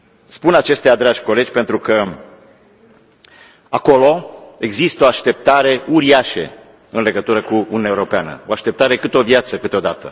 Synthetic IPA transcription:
spunat͡ʃe̞st̪ead̪ɾad͡ʒʲko̞le̞d͡ʒʲpent̪ɾukə | ako̞lo̞e̞ɡzist̪əo̞aʃt̪e̞p̚t̪aɾe̞uɾiaʃe̞̰ | ɨnle̞ɡət̪uɾəkuununaeuɾo̞peanə̰o̞aʃt̪e̞p̚t̪aɾe̞kɨt̪eo̞vjat̪səkɨt̪eo̞d̪at̪ə̰

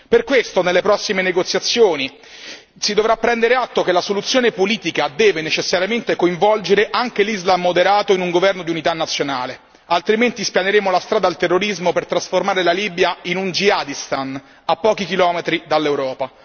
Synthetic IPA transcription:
perkwest̪onelːepɾɔsːimeneɡot̪sjat̪sːjoːni | sid̪ovɾapːɾɛnd̪eɾeat̪ːokelasolut̪sːjoːnepoliːt̪ikad̪ɛːvenet͡ʃesːaɾjament̪ekoiɱvɔld͡ʒeɾeʔaŋk̟elizlamːod̪eɾaːt̪oinuŋɡovɛrnod̪iunit̪anːat̪sːjonaːle | alt̪ɾiment̪ispjaneɾeːmolast̪ɾaːd̪alt̪erːoɾizmopert̪ɾasformaːɾelaliːbjainund͡ʒiad̪ist̪an | apːɔːk̟ik̟ilɔːmet̪ɾid̪alːewɾɔːpa

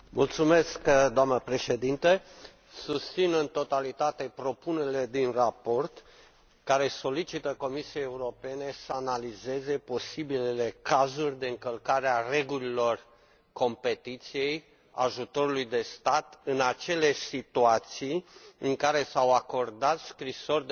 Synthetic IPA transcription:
mult̪sume̞skd̪oamnəpɾe̞ʃe̞d̪int̪ə | sust̪sinɨnt̪o̞t̪alit̪at̪e̞pɾo̞pune̞ɾile̞d̪inrapo̞rt̪ | kaɾe̞so̞lit͡ʃit̪əko̞misiejeuɾo̞pe̞ne̞səanalize̞ze̞po̞sibilele̞kazurʲd̪e̞ɨŋkəlkaɾeare̞ɡulilo̞r | ko̞mpe̞t̪it̪sije̞j | a̰ʒut̪o̞ɾulujd̪e̞st̪at̪ɨnat͡ʃe̞lesit̪uat̪sijɨŋkaɾe̞sawako̞rd̪at̪skɾiso̞rʲd̪

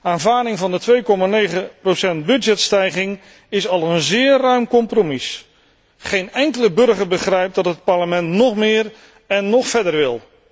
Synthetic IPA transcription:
aːnvaːɹdɪŋvɑndətʋejkɔmaːnejχəprosɛnt̚bɵd͡ʒɛtstɛjχɪŋ | ɪsɑlˠənzɪːrœɥmkɔmpromis | χejnɛŋkələbɵɹχəɹbəχrɛjp̚dɑtɦət̚pɑɹləmɛntnɔχmɪːr | ɛnːɔχfɛdəɹʋɪlˠ

